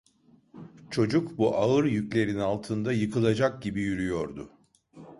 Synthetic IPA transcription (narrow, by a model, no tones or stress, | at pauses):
t͡ʃʰo̞d͡ʒukbuʔaɯɾjyclʲe̞ɾinalˠt̪ʰɯnd̪ajɯkʰɯlˠad͡ʒak̚ɟibijyɾyjo̞ɾd̪ʊ̰